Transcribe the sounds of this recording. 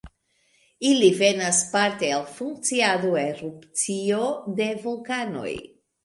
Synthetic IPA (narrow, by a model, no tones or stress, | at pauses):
ilive̞naspaɾte̞alfuŋk̚t͡siadoeɾupt͡sio̞de̞vulkano̞̰j